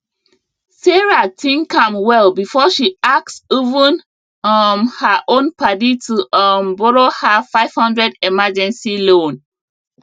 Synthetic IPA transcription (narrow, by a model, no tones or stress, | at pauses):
sɛɹatʰĩŋkãmwɛlbifɔʃiak̚tsivə̃n | ʌmhəʔõnpʰadituʌmbɔɹohafaɪv̥hʌ̃ndɹɛdɛmad͡ʒɛ̃nsilõn